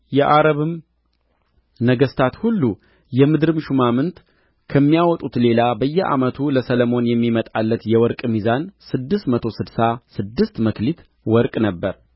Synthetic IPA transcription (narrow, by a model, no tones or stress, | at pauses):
jɛʔaɾəβɨm | nəɡəst̪ʰat̪hulːu | jɛmɨd̪ɾɨmʃumamɨnt̪ | kʰəmːijawɔt̪ʼut̪le̞labəjːɛʔa̰mət̪ʰuləsələmo̞njɛmːimət̪ʼalːət̪jɛwɔɾkʼmizansɨd̪ːɨst̪mət̪ʰo̞sɨd̪sasɨd̪ːɨst̪məklit̪ | wɔɾkʼnəbːəɾ